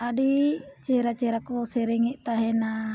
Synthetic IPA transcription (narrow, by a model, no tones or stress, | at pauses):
adit͡ʃɛɾat͡ʃɛɾakosɛɾɛŋiʔt̪aɦɛna